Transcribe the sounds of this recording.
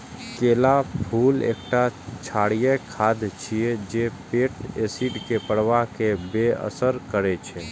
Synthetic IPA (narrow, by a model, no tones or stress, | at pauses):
keːlapʰuːlḛːkʈat͡ʃʰaɽijekʰad̪t͡ʃʰijed͡ʒepeʈesiɖkepəɽʋaɦkebeə̰səɾkəɾet͡ʃʰe